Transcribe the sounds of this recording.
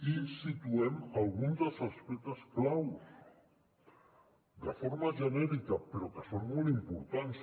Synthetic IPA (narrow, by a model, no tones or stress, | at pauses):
isit̪uɛmalɣunzd̪əlˠsospit̪əsklaws | d̪əfoɾmaʒənɛɾikapəɾokesonmolimpuɾt̪ans